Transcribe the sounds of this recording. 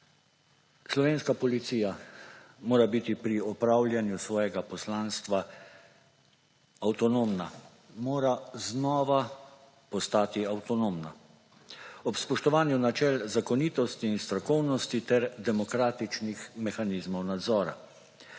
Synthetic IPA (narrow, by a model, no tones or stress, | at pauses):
slɔʋeːnskapɔlit̪siːja | moːɾabit̪ipɾiɔpɾaːwljɛnjusʋɔːjɛɡapɔslaːnst̪ʋa | awt̪ɔnoːmna | moːɾaznɔːʋa | pɔst̪aːt̪iawt̪ɔnoːmna̰ | ɔpspɔʃt̪ɔʋaːnjunat͡ʃɛlzakɔniːt̪ɔst̪iːnst̪ɾɔkɔwnɔst̪it̪ɛɾd̪ɛmɔkɾaːt̪it͡ʃnixmɛxanizmɔwnad̪zɔːɾa̰